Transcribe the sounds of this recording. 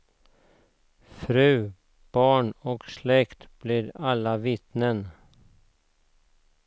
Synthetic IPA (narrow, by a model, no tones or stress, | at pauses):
fɾʉ̟ː | b̥ɑːɳɔkslɛkt̪b̥lɪɾalːavɪt̪nən